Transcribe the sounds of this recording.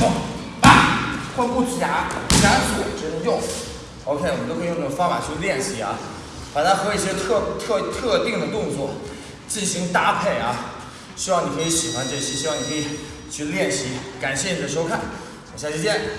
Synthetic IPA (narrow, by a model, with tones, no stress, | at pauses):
pa˥˩xa˥˧nku˥˧t͡s̩˥˩t͡ɕja˧˥˧ka˥nʂ̩˥˩wɔ˨˩˦ʈ͡ʂɻ̩˧˥nɤ˧ŋjʊ˥˩ŋ | o˧˥ʊkʰɪwənt̪o˥xjn˥˩ɡə˨˧fɑ˥ŋfa̰˨˩t͡ɕʰy˥˧ljɛ˥˩nɕi˧˥ɐ̰˧ | pa˨˩t̪ʰa˥xɤ˧˥i˥˩ɕjɛ˥t̪ʰɤ˥˧t̪ʰɤ˥˧t̪ʰɤ˥˧t̪i˥˩ŋd̪ə˩t̪ʊ˥˧ŋt͡swɔ˥˩ | t͡ɕi˥˩nɕi˧˥ŋt̪a˥˧pʰe˥˩ɪɐ˦ | ɕy˥wɑ˥˩ŋni˨˩kʰɤ˧˥i˧˥ɕi˨˩xwa˦nt͡ɕɛ˥˩t͡ɕʰi˧˥ɕɻ̩i˧˥wɑ˥˩ŋni˨˩kʰɤ˥i˨˩ | t͡ɕʰy˥˧ljɛ˥˩nɕi˧˥ka˨˩nɕjɛ˥˩ni˨˩d̪ə˦ʂ̬o˥ʊkʰa˥˩n˨˩ | ɕjt͡ɕʰy˥˧˥jɛ˥˩n